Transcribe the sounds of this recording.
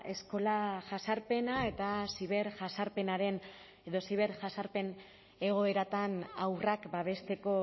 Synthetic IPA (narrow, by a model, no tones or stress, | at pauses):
e̞sko̞laʝasaɾpe̞nae̞t̪asiβeɾʝasaɾpe̞naɾe̞n | eðo̞siβ̞e̞ɾʝasaɾpe̞n | e̞ɣ̞o̞e̞ɾat̪anawrakbaβ̞e̞st̪e̞ko̞